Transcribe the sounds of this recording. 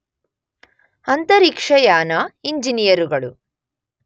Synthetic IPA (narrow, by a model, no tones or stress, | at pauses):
ɐnt̪ɐɾikʂɐjaːnɐiɲd͡ʒinijɐɾuɡɐɭu